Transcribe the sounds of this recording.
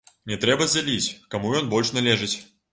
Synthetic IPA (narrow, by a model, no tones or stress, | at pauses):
nʲɛt̪ɾɛbɐzʲd͡zʲalʲit͡sʲkamujɔnbɔlʲʂnalʲɛʐɨt͡sʲ